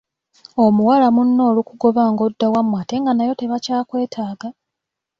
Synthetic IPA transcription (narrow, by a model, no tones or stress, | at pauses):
o̞muwalamunːo̞ːlukuɡo̞βaːŋɡo̞dːawamwaːte̞ŋɡanajo̞te̞βacaːkwe̞ːtʰaːɡa